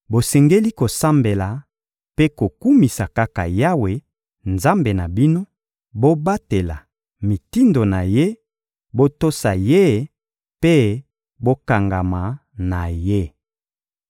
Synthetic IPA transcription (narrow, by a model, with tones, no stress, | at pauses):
bo˨sɛ˨ŋɡe˦li˦ko˨sa˦mbe˨la˨ | pe˦ko˨ku˦mi˨sa˨ka˦ka̰˨ja˦we˨ | nza˦mbe˨na˨bi˦no˦ | bo˦ba˦te˨la˨ | mi˨ti˦ndo˨na˨je˦ | bo˦to˦sa˨je˦ | pe˦ | bo˦ka˨ŋɡa˨ma˨na˨je˦